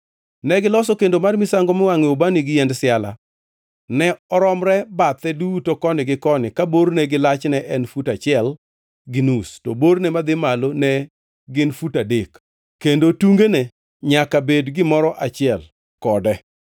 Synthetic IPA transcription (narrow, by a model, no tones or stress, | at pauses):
nɛɡɪlɔsɔkendomarmɪsaŋɡɔmɪwaŋɪobanɪɡɪjɛndsɪala̰ | nɛɔɾɔmɾɛbat̪ɛdutokɔnɪɡɪkɔnɪkabornɛɡɪlat͡ʃnɛʔɛnfutat͡ʃɪɛl | ɡɪnustobornɛmad̪ɪmalonɛ | ɡɪnfutadek | kːendotuŋɡenɛ | ɲakabedɡɪmɔɾɔʔat͡ʃɪɛl | kɔdɛ